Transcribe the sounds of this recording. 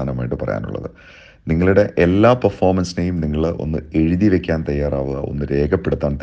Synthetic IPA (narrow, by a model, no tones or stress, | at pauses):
aːnɐmaːjiʈːɨpɐrɐ̰ja̰ːnṵɭːɐ̰ðɨ | niŋːɐɭuɽe̞ʔelːaːpɐrfo̞ːrmɐnsinejumniŋːɐɭʔo̞̰nːɨ̰e̞ɻiðiʋe̞kʲːaːnt̪ɐjːaːraːʋuɣɐʔo̞̰nːɨɾe̞ːɡɐpːe̞ɽut̪ːaːnt̪